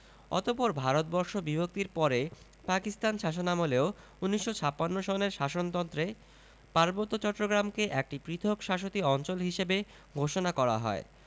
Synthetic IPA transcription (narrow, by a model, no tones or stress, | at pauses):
ɔ̰t̪opɔɾbʱaɾot̪̚bɔɾʃobibʱok̚t̪iɾpɔɾe | pakist̪anʃaʃ̬onamoleo | unːiʃːot͡ɕʰapːanːoʃɔneɾʃaʃont̪ɔnt̪ɾe | paɾbot̪ːot͡ɕɔʈːɾoɡɾamkeʔek̚ʈipɾit̪ʰokʃaʃ̬ot̪iɔnt͡ɕolɦiʃebe | ɡʱoʃonakɔɾa̰ɦɔ̰e